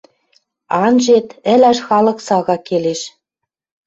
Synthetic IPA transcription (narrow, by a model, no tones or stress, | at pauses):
ɑnʒet̪ɘ̆læʃxɑlɤ̆ksɑɣɑkeleʃ